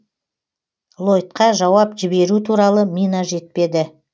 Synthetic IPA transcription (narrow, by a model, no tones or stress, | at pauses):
lˠo̞jt̪̚qɑʒɑwɑpʒɪbe̞ɾut̪ʰuɾɑlˠəminaʒe̞t̪̚pe̞d̪ɪ